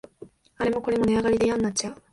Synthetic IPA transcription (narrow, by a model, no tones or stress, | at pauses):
aɾe̞mo̞ko̞ɾe̞mo̞ne̞aɡaɾʲid̪e̞jãnːat͡ɕ̚t͡ɕːaɯ